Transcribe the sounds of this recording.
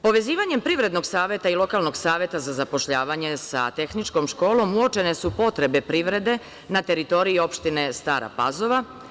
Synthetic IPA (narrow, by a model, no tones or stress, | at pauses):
po̞ʋe̞ziːʋaɲe̞mpɾiʋɾe̞d̪no̞ɡsaːʋje̞t̪ailˠo̞kaːlˠno̞ɡsaːʋje̞t̪azazapo̞ʃʎaːʋaɲe̞sa̰t̪e̞xnit͡ʃko̞mʃko̞ːlo̞muot͡ʃe̞ne̞supo̞t̪ɾe̞be̞pɾiʋɾe̞d̪e̞ | nat̪e̞ɾit̪o̞ɾiio̞pʃt̪ine̞st̪aːɾa̰pazo̞ʋa